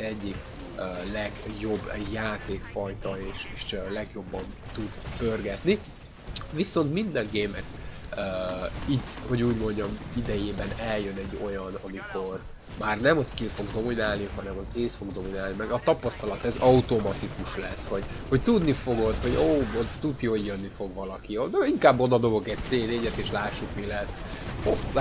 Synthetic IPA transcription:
ɛɟːik | ølɛɡjo̞bːjaːt̪eːkfɒjt̪ɒeːʃeːʃlɛɡjo̞bːɒnt̪ud̪pø̞rɡɛt̪ni | viso̞nt̪mind̪ɛŋɡeːmɛk̪ | øːiho̞ɟuːɟmo̞ɲɟɒmid̪ɛjeːbɛnɛljønɛɟːo̞jɒnɒmiko̞r | maːrnɛmɒskilfo̞ɡd̪o̞minaːlniɦɒnɛmɒzeːsfo̞ɡd̪o̞minaːlnimɛɡɒt̪ɒpɒst̪ɒlɒt̪ɛzɒut̪o̞mɒt̪ikuʃlɛsho̞ɟ | ho̞ct̪ud̪nifo̞ɡot̪ho̞ɟoːot̪ut̪joːjrnːifo̞ɡvɒlɒkioiŋkaːbːo̞d̪ɒd̪o̞bo̞ɡɛc̚t̪seːneːɟɛt̪eːʃlaːʃːukmilɛso

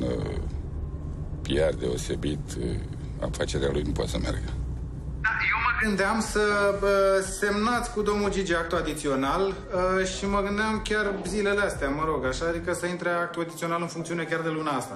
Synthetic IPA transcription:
n | piard̪e̞o̞se̞̰bit̪ | a̰fat͡ʃe̞ɾealujnupoo̰t̪səmḛrɡə | d̪aje̞wməɡɨnd̪eamsəəse̞mnat̪sʲkud̪o̞mnuld͡ʒid͡ʒiakt̪uad̪it̪sio̞nal | əʃiməɡɨnd̪eɪamkʲarzile̞least̪eaməɾo̞ɡaʃaad̪ikəsəint̪ɾeak̚t̪uad̪it̪sio̞nalɨnfuŋkt̪siune̞kʲard̪e̞lunaast̪a

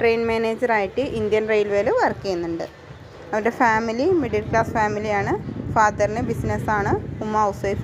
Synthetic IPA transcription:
ʈrejnmeːneːd͡ʑɐraːjiʈːɨʔind̪jɐnrejlʋeːleʋɐrkːejunːuɳɖɨ̰ | ɐʋɐɾɖefaːmilimiɖɐlkɭaːsfaːmilijaːɳɨfaːd̪ɐrinɨbisnɐsaːɳɨumːaːɐwsejf

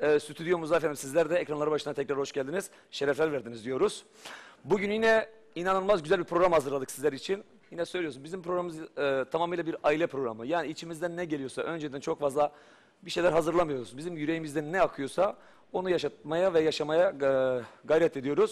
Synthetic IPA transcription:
ɛːsyt̪ʰyd̪ijo̞ɾmuzaːfænimsizlʲæɾd̪ɛɛcɾanlˠaɾɯbaʃɯnat̪ʰɛcɾaɾho̞ʃɟælʲd̪iniz̥ | ʃe̞ɾɛflʲæɾvæɾd̪inizd̪ijo̞ɾuz̥ | buɟynjinɛ | inanɯlˠmazɟyzælʲbipʰɾo̞ɡɾamhazɯɾlˠad̪ɯksizlʲæɾit͡ʃʰin | jinɛsø̞jlʲijo̞sunbizimpʰɾo̞ɡɾamɯzt̪ʰamamɯjlʲˠabiɾailʲɛpʰɾo̞ɡɾa̰mɯjaːniit͡ʃʰimizd̪ænːɛɟe̞lijo̞sa̰ʔø̞nd͡ʒɛd̪ænt͡ʃʰokfazlˠa | biʃe̞jlʲæɾɦazɯɾlˠamɯjo̞ɾuzbizimjyɾe̞jimizd̪ænːɛakʰɯjo̞sa | o̞nujaʃat̪̚majavɛjaʃamaja | ɡajɾɛt̪ʰed̪ijo̞ɾuz̥

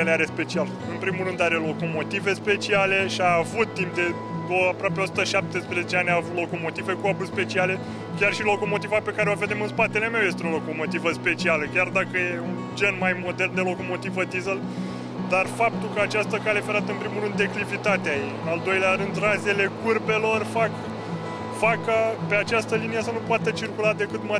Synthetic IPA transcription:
eleaɾe̞spe̞t͡ʃial | ɨnpɾimurɨnd̪aɾe̞lo̞ko̞mo̞t̪ive̞spe̞t͡ʃiale̞ʃiaːvut̪ːimp̚d̪e̞ | oapɾoap̬eosu̥t̪əʃap̚t̪e̞spɾezet͡ʃeanʲaːvut̪lo̞ko̞mo̞t̪ive̞kuabuspe̞t͡ʃiale̞ | kʲarʃilo̞ko̞mo̞t̪ivape̞kaɾeo̞ve̞d̪e̞mɨnspat̪e̞le̞mewje̞s̬t̪eo̞lo̞ko̞mo̞t̪ivəspe̞t͡ʃialəkʲard̪akəjeund͡ʒe̞nmajmo̞d̪e̞rnd̪e̞lo̞ko̞mo̞t̪ivəd̪izəl | d̪arfap̚t̪ulkəat͡ʃast̪əkalefeɾat̪əɨnpɾimuɾɨnd̪e̞klivit̪at̪eajejɨnald̪o̞jleaɾɨnd̪raze̞le̞kurpe̞lo̞rfak | fakape̞at͡ʃast̪əlinijesənupoat̪ət͡ʃirkulad̪e̞kɨt̪ma

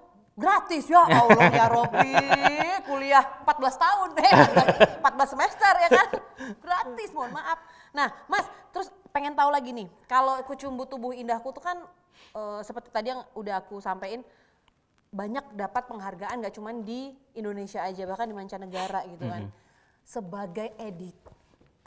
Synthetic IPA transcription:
ɡɾat̪ɪsjaaulŋjaɾokli | puliahəmpat̪̚bəlast̪aʊnɛataəmpat̪̚bəlasəmɛst̪ərjakanɡɾat̪ɪsmanmaʔaf̚ | nahmast̪əɾʊs | peŋɛnt̪aulaɡinɪkalokut͡ʃumbut̪ubʊhindahkut̪ukan | əsəpərt̪i̥t̪adijaŋudaɦakusampaɪn | baɲak̚dapat̪̚pəŋɦarɡaʔanŋɡaʔt͡ʃumandiːndonesiaːd͡ʒabahkandimaɲt͡ʃanəɡaɾaɡit̪ukan | səbaɡajʔedɪt̪̚

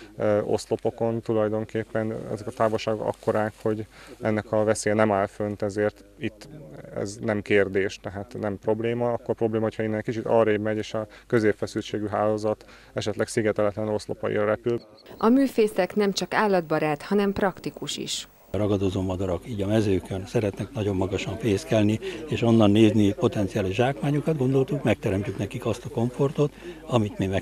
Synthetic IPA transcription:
ʔo̞̰st̪lo̞po̞ko̞nt̪ulɒjd̪o̞ŋkeːpːɛnɛ̰zɛkɒt̪aːvolʃaːɡokɒ̰kʰːo̞ɾaːkho̞ɟɛnːɛkɒvɛseːjɛnɛmaːlfønt̪ɛzeːrt̪ | it̪ːɛ̰znɛmkeːrd̪eːʃt̪ɛɦaːt̪nɛmpro̞bleːmɒɒkːorpɾo̞bleːmɒɦochɒinːɛkit͡ʃit̪ɒ̰ːreːbmɛɟeːʃɒkø̞zeːpfɛsylt͡ʃeːɡyɦaːloːzɒt̪ | ɛʃɛt̪lɛksiɡɛt̪ɛlɛt̪lɛno̞slo̰pɒ̰ḭɾɒɾɛpyl | ʔɒmyːfeːsɛknɛmt͡ʃɒkaːlːɒd̪̚bɒɾaːt̪hɒnɛmprɒkt̪ikuʃḭʃ | ɾɒɡɒd̪ozoːmɒd̪ɒɾokiːɟɒmɛzøːkønsɛɾɛt̪nɛknɒɟo̞mːɒɡɒʃɒɱfeːskɛlnieːʃo̞nːɒnːeːznipo̞t̪ɛnt̪sijaːliʒʒaːkmaːɲukɒd̪̚ɡo̞nd̪o̞lt̪ukmɛk̚t̪ɛɾɛmcyknɛkikɒst̪ɒko̞ɱfo̞rt̪ot̪ɒmit̪mimɛ

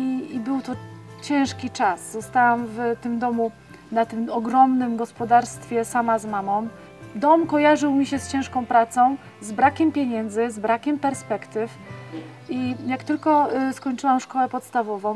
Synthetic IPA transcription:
iibɘwt̪ɔt͡ɕɛ̃ʂkʲit͡ʂaszɔst̪awamvt̪ɘmd̪ɔmu | nat̪ɘmɔɡɾɔmnɘmɡɔspɔd̪aɾst̪fʲjɛsamazmamɔ̃w̃ | d̪ɔmkɔjaʐɘwmʲiɕɛst͡ɕɛ̃ʂkɔ̃w̃pɾat̪sɔ̃w̃ | zbɾakʲɛmpʲjeɲɛnd̪zɘzbɾakʲɛmpɛɾspɛkt̪ɘf | ijakt̪ɘlkɔskɔɲt͡ʂɘwamʂkɔwɛpɔt̪st̪avɔvɔ̃w̃

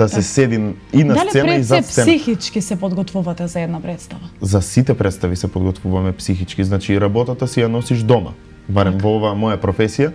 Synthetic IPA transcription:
d̪̥asɛsɛd̪in | inasalisɛnaiszaɛixit͡ʃkisɛpɔd̪ɡɔt̪vuvat̪ɛzaɛd̪napɾɛt̪st̪avazasit̪ɛpɾɛt̪st̪avisɛpɔd̪ɡɔt̪vuvamɛpsixit͡ʃkiznat͡ʃiɾabɔt̪at̪asijanɔsiʒd̪ɔma̰ | baɾɛmvɔɔvaːmɔjapɾɔfɛsija

